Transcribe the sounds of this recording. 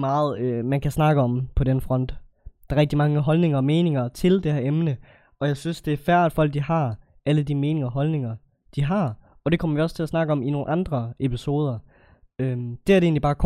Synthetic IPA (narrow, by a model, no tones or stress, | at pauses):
ɑːð̩ˠømænkʰæsnɑ̈ɡ̥əɒ̽mpʰɒ̽d̥enfʁɒ̽n̰d̥ | d̥ɑ̈ʁɛɡ̥̚d̥imɑ̈ŋəɦɒ̽lne̝ŋɐɒme̝ːne̝ŋɐt͡sʰe̝ld̥ehæɐemnə | ɒ̽jɑ̈ɪsynsd̥e̝æɐfæɐ̰æd̥fɒ̽l̰ɡ̥̚d̥ihɑ̈ | æləd̥ime̝ːnɪ̝ŋɐɒɦɒ̽lne̝ŋɐ | d̥iɦɑ̈ | ɒ̽ɾ̥e̝kʰɒ̽mɐʋiɒ̽st͡sʰe̝æsnɑ̈ɡ̥əɒ̽mino̝ːn̩ʔɑ̈nd̥ʁɐepʰiso̝ːð̞ˠɐ | ød̥e̝æɐd̥e̝ːnlibɑ̈ːkʰ